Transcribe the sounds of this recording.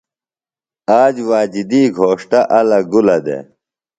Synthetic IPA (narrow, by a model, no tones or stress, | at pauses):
aːd͡ʑwaːd͡ʑid̪iːɡʱoːʂʈaʔɐlɐɡulɐd̪ḛ